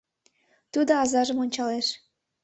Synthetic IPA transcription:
t̪ud̪oɑzɑʒə̆monʲt͡ɕɑleʃ

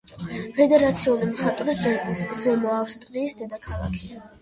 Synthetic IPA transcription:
pʰɛd̪ɛɾat̪sʰiulimχat̪ʼɾizɛmɔafst̪ʼɾiːsd̪ɛd̪akʰalˠa̰kʰi̥

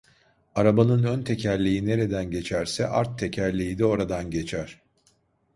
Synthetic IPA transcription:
aɾabanɯnønt̪ʰe̞cʰælʲijine̞ɾe̞d̪ænɟe̞t͡ʃʰæɾsɛʔaɾt̪ʰːe̞cʰæɾlʲijid̪ɛo̞ɾad̪anɟe̞t͡ʃʰæɾ̥

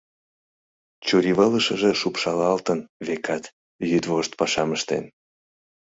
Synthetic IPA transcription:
t͡ɕuɾiβələʃəʒĕʃupʃɑlɑlt̪ənβekʰɑt̪ | jyd̪voʃt̪̚pɑʃɑməʃt̪ḛn

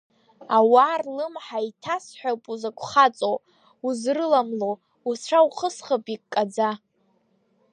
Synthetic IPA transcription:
awarlɨmħaitʰasħʷᶣapʼuzakʷʰʼχat͡sʼow | uzrɨlamlo | uʈ͡ʂʷʰauχəsχapʼikʼːad͡za

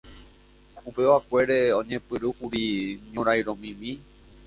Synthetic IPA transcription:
upe̞ʋakʷe̞ɾeõɲẽpɨɾuhuɾiɲõɾajɾõmĩmĩ

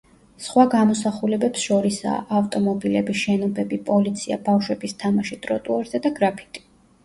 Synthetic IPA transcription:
sχwaɡamɔsaχulɛbɛpsʃɔɾisa̰ːʔaft̪ʼɔmɔbilɛbiʃɛnɔbɛbipʼɔlit̪sʰia̰bafʃwɛbist̪ʰamaʃit̪ʼɾɔt̪ʼuɔɾzɛd̪aɡɾapʰi̥t̪ʼi̥

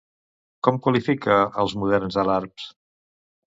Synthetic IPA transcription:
kɔmkwəlifikəəlˠzmuðɛrnzəlaɾps

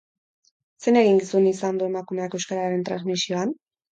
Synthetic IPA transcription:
se̞ne̞ɣiŋɡisunisand̪ue̞makume̞ake̞wskaɾaɾe̞nt̪ɾa̰nzmisio̞an

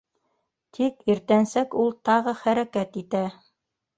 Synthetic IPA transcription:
t̪ʰikiɾt̪ænsækulˠt̪ɑʁɤχæɾækæt̪it̪æ

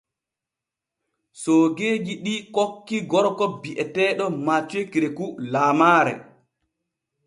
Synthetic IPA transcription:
soːɡeːd͡ʒiɗikokːiɡɔɾɔkɔbiʔɛtɛɗɔmat͡ʃuekiɾekulaːmaːɾɛ̰

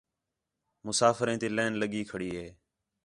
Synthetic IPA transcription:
mʊsaːfəɾẽːt̪iːlẽːnləɠiːkʰəɽiːɦeː

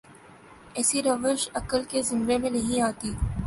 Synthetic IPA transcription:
ɛːsiɾɐʋəɾʃɐkəlkezɪ̃mʋemẽnɐɦĩaːt̪iː

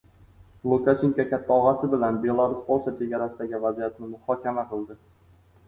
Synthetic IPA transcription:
lˠukaʃeŋkʲakʲʰat̪ʰːaɒʁasɪbɪlanbe̞lˠaɾʊsbɒlˠʃat͡ʃʰe̞ɡʲaɾasɪd̪aɡʲɪvazijat̪̚nɪmʊhɒkʲʰamaqɨlˠd̪ɪ

